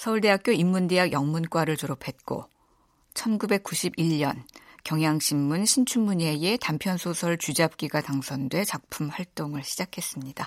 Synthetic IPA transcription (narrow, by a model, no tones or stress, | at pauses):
sʰʌuɭde̞ɦak͈̚joimːunde̞ɦaɡjʌŋmunk͈waɾɯɭtoɾopʰe̞t̚k͈o̰ | t͡ɕʰʌnɡube̞k̚k͈uɕʰibiʎːʌnkjʌŋjaŋɕʰimːunɕʰint͡ɕʰunmuɲeje̞tampʰjʌnsʰosʰʌɭt͡ɕud͡ʑap̚k͈iɡataŋsʰʌndwe̞t͡ɕak̚pʰumɸwaɭt͈oŋɯɭɕʰid͡ʑakʰe̞s͈ɯmɲida